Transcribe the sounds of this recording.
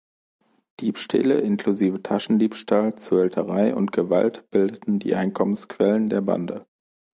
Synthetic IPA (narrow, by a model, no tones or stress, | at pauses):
d̥iːpʃtʰɛ̰ːləʔɪnkl̥uziːvətʰaʃn̩diːpʃtʰaːlt͡suɛltʰəʁaɪʔʊ̰ntɡ̥əva̰ltb̥ɪldətn̩dḭːʔaɪnkʰɔmənskv̥ɛləndeːɐba̰ndə